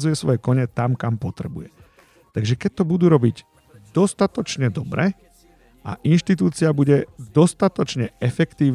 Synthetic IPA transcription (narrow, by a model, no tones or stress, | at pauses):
zujɛsʋɔ̰jɛkɔɲɛt̪amkampɔt̪ɾɛbṵjɛ | t̪aɡʒɛkɛc̚t̪ɔbud̪uːɾɔbiɟ | d̪ɔst̪at̪ɔt͡ʃɲɛd̪ɔbɾɛ | ʔa̰ʔinʃt̪it̪uːt͡siabuɟɛd̪ɔst̪at̪ɔt͡ʃɲɛɛfɛkt̪iː